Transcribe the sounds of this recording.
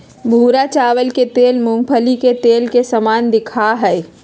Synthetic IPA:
bʱuːɾat͡ʃaːwəlket̪eːlmʊ̃ŋɡpʰəliket̪eːlkesɐmaːnd̪ɪkʰaɦɛː

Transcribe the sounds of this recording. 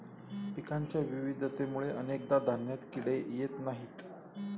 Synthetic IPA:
pikaɲt͡ɕjaʋiʋid̪ʱət̪emuɭeʔənek̚d̪ad̪ʱanjat̪kiɽejet̪naɦiːt̪

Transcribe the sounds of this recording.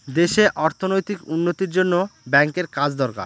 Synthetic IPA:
d̪eʃeʔɔɾt̪ʰonojt̪ikunːot̪iɾd͡ʑonːobɛŋkeɾkad͡ʑd̪ɔɾka̰ɾ

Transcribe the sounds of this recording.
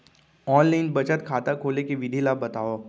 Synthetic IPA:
ɔːnlaɪnbɐt͡ʃət̪kʰaːt̪akʰoːlekeʋɪd̪ʱilaːbɐt̪aːoː

